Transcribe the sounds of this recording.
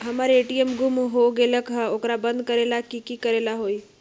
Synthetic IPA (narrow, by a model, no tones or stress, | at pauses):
ɦəmaːɾeeːʈiemɡumɦoɡeːləkɦokɾabə̃nd̪̚kəɾeːlakikikəɾelaɦoiː